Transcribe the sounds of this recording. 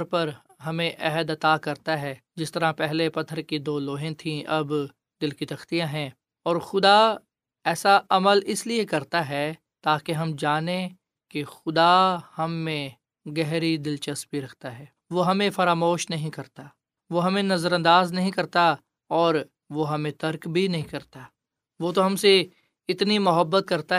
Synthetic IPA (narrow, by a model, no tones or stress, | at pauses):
ɾpɐɾ | ɦɐmẽʔɛɦəd̪ɐt̪aːkɐɾt̪aɦɛːd͡ʒɪst̪əɾãpɛɦlepɐt̪ʰːəɾkid̪oːloːɦẽt̪ʰĩɐb | d̪ɪlkit̪ɐxt̪ijãɦɛ̃ː | ɔːɾxʊd̪a | ɛːsaʔɐməlɪsliekɐɾt̪aɦɛː | t̪aːkeɦɐmd͡ʒaːnẽ | kexʊd̪ahɐmːẽ | ɡɛɦɾid̪ɪlt͡ʃəsbʱiɾɐkʰt̪aɦɛː | ʋoːɦɐmẽfɐɾaːmoːʃnɐɦĩkɐɾt̪aː | ʋoɦɐmẽnɐzəɾɐ̃nd̪aːznɐɦĩkɐɾt̪a | ɔːɾ | ʋoɦɐmẽt̪ɐɾkbʱinɐɦĩkɐɾt̪a | ʋoːt̪̬oɦɐmse | ɪt̪nimʊɦəbːət̪̚kɐɾt̪a